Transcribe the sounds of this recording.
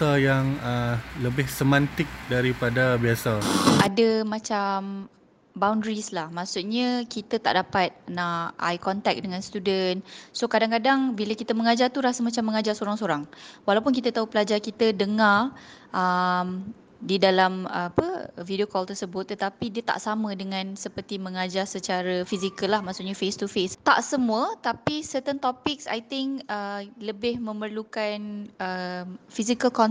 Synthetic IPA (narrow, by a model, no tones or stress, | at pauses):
ajaŋələbɪhsəmãnt̪ɪk̚daɾipadabiasaʔadəmãt͡ʃam | bawndɾislahmasʊt̪̚ɲakit̪ət̪a̰ʔdapat̪̚naa̰jkɔnt̪ɛk̚dəŋãnst̪udənsokadaŋkadaŋbiləkit̪əməŋad͡ʒart̪uɾasəmat͡ʃamːəŋad͡ʒarsoɾaŋsoɾaŋwalawpʊnk̬it̪ət̪aupəlad͡ʒarkit̪ədəŋarʔəm | didalaməpəvidiokɔlt̪ərsəbʊt̪ːət̪apidiət̪a̰ʔsamə̃dəŋãnsəpərt̪imə̃ŋad͡ʒarsət͡ʃaɾəfizikəlːahmasʊʔɲafest̪ufest̪a̰ʔsəmũət̪apisət̪ənt̪ɔpɪksa̰jt̪ɪŋkələbɪhmə̃mərlukanəmfizikəlkɔn